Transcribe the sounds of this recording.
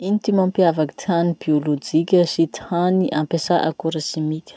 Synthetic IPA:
int̪imãmpiavaki̥t̪ʰanibiolod͡ʒikʲəsit̪i̥haniʔampesaʔa̰kuɾasimikʲə̥

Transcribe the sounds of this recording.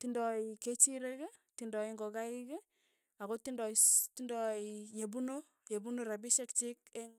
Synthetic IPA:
tindɔiket͡ʃiɾeke | tindɔiŋɡɔkaike | akotindɔtindɔijebuno | jebunoɾabiʃekt͡ʃik̚eŋ

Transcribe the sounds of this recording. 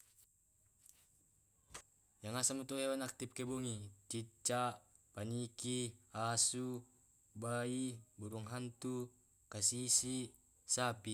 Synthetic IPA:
jaŋasamut̪uɦewanak̚t̪ip̚keboŋit͡ʃit͡ʃːa | panikiasu | baibuɾuŋɦant̪u | kasisi | sapi

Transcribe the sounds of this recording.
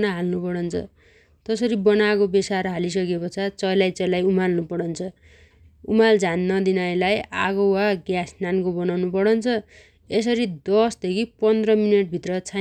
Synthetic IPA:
nʌɦalnupʌɽʌnt͡sʰʌ̰ | t̪ʌsʌɾibʌnakobesaɾɦalis̬ʌkekot͡sʰʌt͡sʌjlajt͡sʌjlajumalnupʌɽʌnt͡sʰʌ | umald͡zʱanːʌd̪inajlajaɡowaɡjasnankobʌnawnupʌɽʌnt͡sʰʌ | es̬ʌɾid̪ʌsd̪ekʰipʌnd̪rʌmineʈ̚bʱit̪rʌt͡sʰa

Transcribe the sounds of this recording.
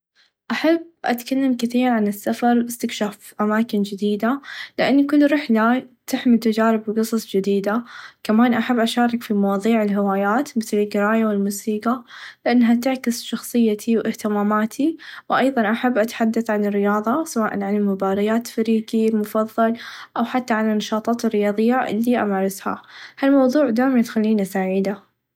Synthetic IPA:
ʔaħabːʔa̰t̪kalːamkɪθiːɾʕanɪsːafɑɾˤbɪst̪ɪkʃaːfʔamaːkɪnd͡ʒɪd̪iːd̪alɪʔanːkʊlːɾɪħlat̪ɪħmit̪ɪd͡ʒaːɾɪbqɨsˤɑsˤd͡ʒɪd̪iːd̪akamaːnʔaħabːʔaʃaːɾˤɑkfimɑwɑːðˤiːʕɪlɦɪwaːjaːt̪mɪθlɪlɡɪɾaːjawɪlmuːsiːqalɪʔanːɦat̪ɪʕkɪsʃɑxsˤɨjːat̪ʰiwʔɪht̪ɪmaːmaːt̪ʰiwʔɑjðˤɑnʔaħabːʔat̪ħad̪ːaθʕanɪrːɪjɑːðˤɑsawaːʔanʕanɪlmʊbaːɾˤɪjaːt̪faɾiːɡilmʊfɑðˤːɑlʔawħat̪ːaʕalanːɑʃɑːt̪ˤɑːt̪ɪrːɪjɑːðˤɨjːaʔɪ̰lːiʔa̰maːɾˤɑsha̰halmɑwðˤuːʕd̪aːjmajɪt̪xalːiːnasaːʕiːd̪a

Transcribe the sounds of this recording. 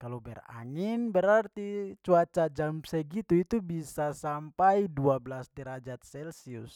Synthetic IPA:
kalobɛra̰ŋɪnbəɾart̪it͡ʃuat͡ʃad͡ʒamsəɡit̪uit̪ubisasampaiduabəlasdiɾad͡ʒat̪̚sɛlsiʊs

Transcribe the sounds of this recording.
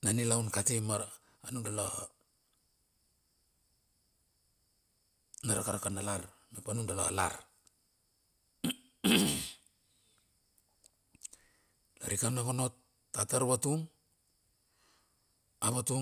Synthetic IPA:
nanilawnkatimaɾ | anundalo | naɾakaɾakanalaɾmepanundalaa̰la̰ɾ | la̰ɾikanakono̞tː | ataɾβatuŋ | aβatu

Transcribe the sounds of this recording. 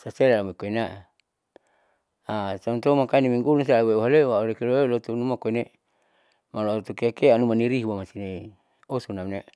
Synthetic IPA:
saselalamikoinaʔ | asant̪omakainimiŋɡulunsalaweuɦalewaoɾekeloelot̪unumakoine | malot̪ukeakeanumaniɾiɦuwamasine | osunamne

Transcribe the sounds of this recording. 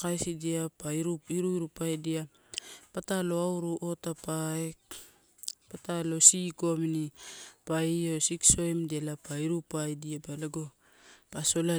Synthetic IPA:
kajsidiapaiɾuiɾuiɾupajdia | patalo̞awɾuʔotapae | patalo̞sikominipaiosikso̞jmdialapaiɾupajdiapaleɡo | paso̞la

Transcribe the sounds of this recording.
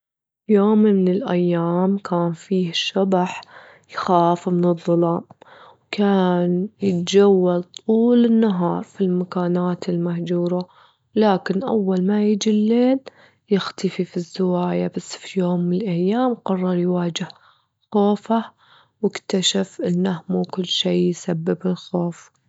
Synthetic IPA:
joːmɪnɪlʔa̰jːaːmkʰaːnfiːhʃːabaħ | jxaːfmɪnɨðˤːʊlɑːmwkʰaːnjɪt̪d͡ʒawːalt̪ˤʰuːlɪnːaɦɑ̰ːɾˤfilmakaːnaːt̪ɪlmahd͡ʒuːɾˤa | laːkɪnʔa̰wːalmajɪd͡ʒilːeːl | jɪxt̪afifizːɪwaːjabasːfijoːmːɪnɪlʔajːaːmqɑrˤːɑɾˤjwaːd͡ʒɪh | xoːfa | wɪkt̪aʃafʔɪnːahmukʊlːʃiːjsabːɪbɪlxoːf

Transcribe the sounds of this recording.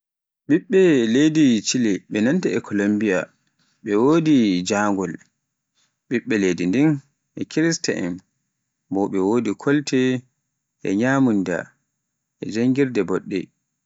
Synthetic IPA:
ɓiɓːɛledit͡ʃiliɓɛnantaɛkʰɔlombija | ɓɛwoːdid͡ʒaːŋɡɔl | ɓiɓːɛledindin | ʔɛkʰiɾista̰ʔɛ̰m | bɔɓɛwoːdikʰɔltɛ | ʔɛ̰ɲaːmunda̰ | ʔɛd͡ʒaŋɡiɾdɛbɔɗːɛ̰

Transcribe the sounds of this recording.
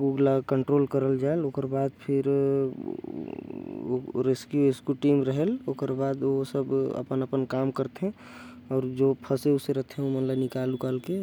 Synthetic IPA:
uɡlakəɳʈɾoːlkəɾəld͡ʒaeloːkəɾbaːd̪̚pʰɪɾ | ɾeskjueskjuʈiːmɾəɦɛlokəɾbaːd̪osəbə̰pənəpənkaːmkəɾt̪eɦɛ̃ | ɔːɾd͡ʒopʰəseʊseɾət̪ʰeɦɛ̃omənlanɪkalukaːlke

